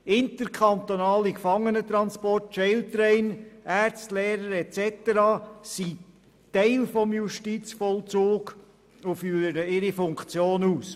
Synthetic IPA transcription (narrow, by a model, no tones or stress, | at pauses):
ɪnt̪əɾkʰɑnt̪onɑːlikfɑŋːənət̪ɾɑnspɔrt̚ʃɛɪlt̪ɾɛɪnærstlɛːɾəɾɛtt͡sɛt̪əɾɑːsi | tɛɪlfɔmjuʃtit͡sfɔlt͡soːɡ | ʊfyːɾəɾəɪɾifʊŋkt͡sjoːnuːs